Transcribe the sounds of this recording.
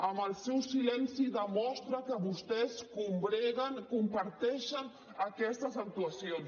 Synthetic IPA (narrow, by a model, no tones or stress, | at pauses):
aməlsɛwsilɛnsiðəmɔst̪ɾakəβust̪ɛskumbɾɛɣankumpaɾt̪ɛʃan | akɛst̪azak̚t̪uasjons